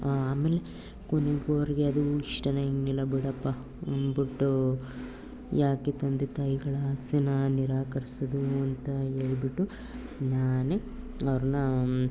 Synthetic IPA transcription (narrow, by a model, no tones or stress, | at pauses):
aaːmeːle | koneɡuɐʋɐɾiɡeɐd̪uiʂʈɐnɐiŋɡnilɐbiɽɐpːɐ | ɐ̰nbiʈːu | jʔaːket̪ɐnd̪et̪ɐjiɡɐɭɐsɐnɐniɾaːkɐɾisɐd̪uɐnt̪ɐe̞ːɭibiʈːu | naːne | ɐʋɐɾɐnɐ